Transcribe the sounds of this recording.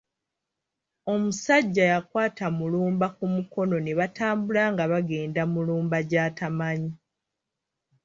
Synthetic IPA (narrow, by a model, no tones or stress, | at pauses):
o̞musaɟːajakwaːtamuluːmbakumuko̞no̞neβataːmbulaŋɡaβaɡe̞ːndamuluːmbaɟaːtamaɲi